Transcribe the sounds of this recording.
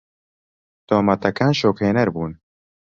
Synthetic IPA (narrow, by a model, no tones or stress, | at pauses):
d̪̥oːmɐt̪ɐkaːnʃoːkheːnɐɾbuːn